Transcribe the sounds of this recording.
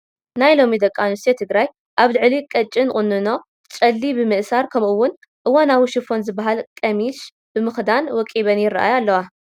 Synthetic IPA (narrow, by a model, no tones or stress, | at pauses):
najlo̞mid̪ɐkʼːanust̪ʰet̪ʰɨɡɾaj | ʔaβlɨʕlikʼɐt͡ʃʼːinɨχʼɨnːɨno̞ | t͡ʃʼɐlːibɨmɨʔsaɾkʰɐmʔuwːʊn | ʔɨwanawuʃɪfo̞nzɨbːaɦalkʼɐmiʃ | bɨmɨxd̪anwɔkʼiβɐnjɪra̰ʔa̰jalːɐwa